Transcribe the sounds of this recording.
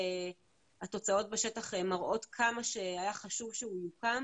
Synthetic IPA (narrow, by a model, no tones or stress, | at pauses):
at̪o̞t͡sao̞t̚beʃe̞taχemaʁʔo̞t̪kʰamaʃeajaχaʃuvʃeijukam